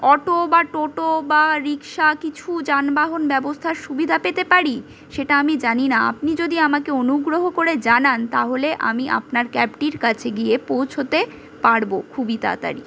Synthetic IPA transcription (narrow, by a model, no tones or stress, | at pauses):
ɔʈobaʈoʈobaɾikʃakit͡ɕʰud͡ʑanbaɦonbɛbost̪ʰaɾʃubid̪ʱapet̪epaɾi | ʃeʈaamid͡ʑaninaa̰pnid͡ʑod̪iamakeonuɡɾoɦokoɾed͡ʑanant̪aɦoleʔa̰miʔa̰pnaɾkɛp̚ʈiɾkat͡ɕʰeɡiepowt͡ɕʰot̪e | paɽbokʰubit̪a̰t̪a̰ɾḭ